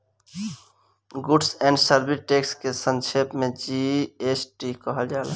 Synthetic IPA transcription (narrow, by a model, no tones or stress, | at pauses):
ɡuɖsɛ̃ːɳɖsəɾbiʈekskesənt͡ʃʰepmẽd͡ʒiesʈikəɦəld͡ʒaːl